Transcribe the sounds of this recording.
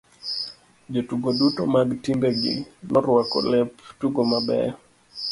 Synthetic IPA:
d͡ʒɔtuɡoɗutɔmaɡtimbɛɡḭnɔɾwakɔ̰lɛptuɡɔmabɛ̰

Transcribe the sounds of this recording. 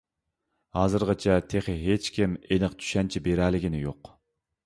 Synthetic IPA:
hɑːzɨɾʁɨt͡ʃʰɛt̪ʰeχɪɦet͡ʃkʲʰimelɨqt̪ʰy̥ʃɛnt͡ʃʰibeɾɛlːɪɡʲinɪjoq

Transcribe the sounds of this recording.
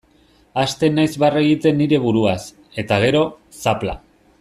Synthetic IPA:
ast̪e̞najzβareɣit̪e̞nːiɾe̞βuɾuas | e̞t̪aɣ̞e̞ɾo̞ | sapla̰

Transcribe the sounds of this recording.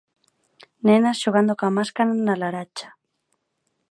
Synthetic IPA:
nẽnasʃoɣand̪okamaskananalaɾat͡ʃḁ

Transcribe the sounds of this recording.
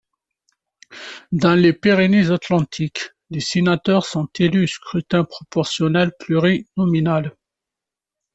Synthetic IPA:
d̪ɑ̃lepeʁenezat̪lɑ̃t̪ʰik | lesenat̪œʁsɔ̃t̪elyskχyt̪ɛ̃pχɔpɔʁsjɔnɛlplyʁinɔminal

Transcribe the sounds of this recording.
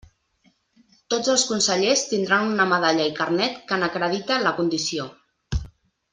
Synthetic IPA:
t̪od͡zəlˠskunsəʎest̪ind̪ɾanunəməðaʎəikərnɛt̪kənəkɾəðit̪ələkund̪isio

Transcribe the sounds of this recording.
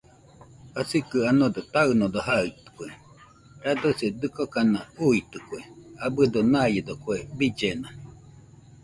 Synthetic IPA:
asikɨanod̪ot̪aɯnod̪oɦait̪ɯ̥kʷe | ɾad̪ɯsed̪ɨkokanauit̪ɨkʷeabɨd̪onajed̪okwebid͡ʒena

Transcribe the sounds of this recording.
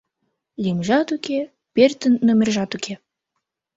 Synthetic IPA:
lʲimʒɑt̪uke | pert̪ənːomʲerʒɑt̪ukʰe

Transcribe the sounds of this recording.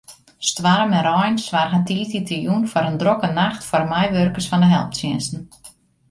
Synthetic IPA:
stʋaɾəmɛnɾɔjnsʋarɦatititijunfɔɾəndrokənaxtfɔrmɛjʋørkəsfɔndəɦɛlˠp̚tsjɪnsn̩

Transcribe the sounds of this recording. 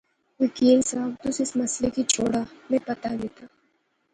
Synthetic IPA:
wɪkiːnsaːbt̪ʊsɪsmɐslekit͡ʃʰoːɽamɛ̃pɐt̪aɡet̪a

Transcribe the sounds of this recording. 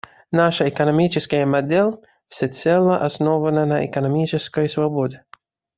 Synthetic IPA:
naʂəɛkənɐmʲit͡ʃɪskəjəmɐd̪ɛlʲ | fsʲɛt̪sɛlˠəʔɐsnovənənɐɛ̰kənɐmʲit͡ʃɪskəjsvɐbɔd̪ʲɪ

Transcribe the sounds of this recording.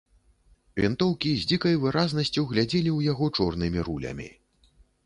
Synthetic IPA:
vʲḭnt̪ɔwkʲizʲd͡zʲikɐjvɨɾaznɐsʲt͡sʲuwɣlʲad͡zʲɛlʲiwjaɣɔt͡ʂɔrnɨmʲiɾulʲɐ̰mʲḭ

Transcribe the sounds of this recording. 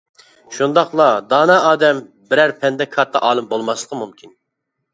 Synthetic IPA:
ʃund̪ɑχlˠɑd̪ɑːnɑɑːd̪ɛm | bɪɾæɾpʰɛnd̪ɛkʰɑt̪ʰːɑ̰ʔɑːlˠɨmbolˠmɑslˠəqʰəmumkʲin

